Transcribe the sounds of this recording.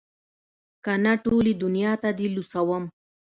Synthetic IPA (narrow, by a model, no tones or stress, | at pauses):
kanaʈolid̪ʊnijɑt̪ad̪ilusawəm